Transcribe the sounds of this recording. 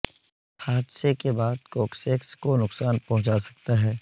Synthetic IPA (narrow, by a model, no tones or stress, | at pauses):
haːd̪sekebaːd̪koːkseːkskonʊksaːnpɐɦʊ̃t͡ʃasɐ̥k̚t̪aɦɛː